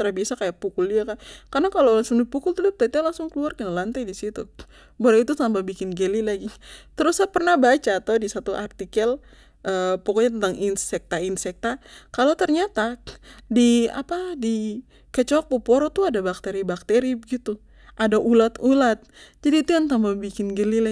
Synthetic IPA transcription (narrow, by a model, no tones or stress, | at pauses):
t̪əɾabiasakajaʔ̚pukʊldiakankarnakalowlaŋsʊŋdipukʊlt̪udp̚t̪ait̪ualaŋsʊŋkəluarkənalant̪ajdisit̪ṵ | boɾait̪utambabikɪnɡelilaɡit̪əɾusapərnahbat͡ʃaːt̪awdisat̪uʔart̪ikəl | ʔəpɔkɔɲat̪ənt̪aŋinsɛk̚t̪ainsɛk̚t̪akalowt̪ərɲat̪adia̰padi | kət͡ʃɔk̚pɔpoɾɔt̪uadabak̚t̪eɾibak̚t̪eɾibəɡit̪u | ʔadaʔulat̪ulat̪̚d͡ʒadiːt̪ujaŋt̪ambabikɪnɡəlila